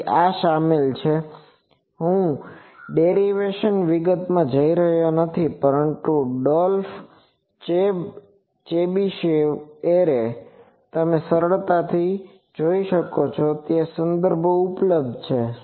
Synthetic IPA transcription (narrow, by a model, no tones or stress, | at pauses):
aʃamilt͡ʃʰe | ɦũɖeɾiʋeʃənʋiɡət̪mãd͡ʒəiɾəɦjonət̪ʰipəɾəɳt̪uɖɔlf | t͡ʃe | t͡ʃebiʃeʋeɾe | t̪əmẽsəɾəɭt̪at̪ʰi | d͡ʒoiʃəkot͡ʃʰot̪esənd̪əɾbʱoupləb̚d̪ʱt͡ʃʰe